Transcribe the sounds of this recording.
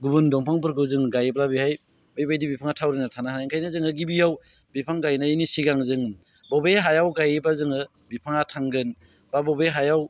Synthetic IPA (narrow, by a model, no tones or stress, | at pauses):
ɡubɯndɔŋpʰaŋp̬ɯɾɡɯzɯŋɡajp̬labihaj | bɯjbajdibipʰaŋatʰawɾinatʰanaɦanajŋkʰajnazɯŋɯɡibijaw | bipʰaŋɡajnainisiɡaŋzɯŋ | bɔbeɦajawɡajbazɯŋɯ | bipʰaŋatʰaŋɡɯn | babɔbeɦajaw